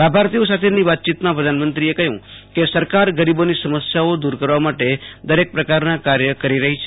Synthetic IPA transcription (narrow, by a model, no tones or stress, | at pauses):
labʱaɾt̪iosat̪ʰeniʋat̪̚t͡ʃit̪mãpɾəd̪ʱanmənt̪ɾiekəɦjũkesəɾkaɾɡəɾibonisəməsjaod̪uɾkəɾʋamaʈed̪əɾek̚pɾəkaɾnãkaɾjəkəɾiɾəɦit͡ʃʰ